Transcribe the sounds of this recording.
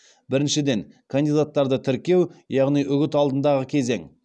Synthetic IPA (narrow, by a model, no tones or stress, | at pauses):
bɪɾɪnʃɪd̪e̞ŋ | kʰand̪ijd̪at̪ːɑɾd̪ət̪ʰɪɾkʲe̞wjɑʁnijʔʏɡʲɪt̪ɑlˠd̪ənd̪ɑʁəkʲʰe̞ze̞̰ŋ